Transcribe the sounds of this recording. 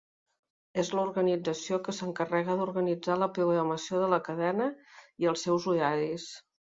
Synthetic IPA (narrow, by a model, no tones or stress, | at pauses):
ezləuɾɣənid͡zəsiokəsəŋkərɛɣəðuɾɣənid͡zaləpɾuɣəməsioðələkəðɛnəiəlˠsːɛwzuɾaɾis